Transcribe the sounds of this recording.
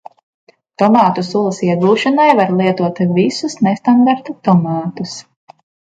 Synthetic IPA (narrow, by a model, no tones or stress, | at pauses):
t̪ɔmɑːt̪usulˠɐsiɛɡuːʃɔnajvaɾlˠiɛt̪uɔt̪visusnest̪and̪aɾt̪ut̪ɔmɑːt̪us